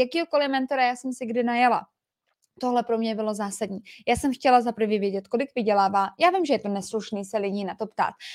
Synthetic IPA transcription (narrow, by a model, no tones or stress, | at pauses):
jakiːɦoko̞lɪmɛnt̪o̞ɾajaːsɛmsɪɡdɪnajala̰ | t̪o̞ɦlɛpɾo̞mɲɛbɪlo̞zaːsadɲiːjaːsɛmxcɛlazapr̩vɪvjɛɟɛt̪ko̞lɪkvɪɟɛlaːvaːjaːvɪmʒɛjɛt̪o̞nɛsluʃniːsɛlɪɟiːnat̪o̞pt̪a̰ːt̪̚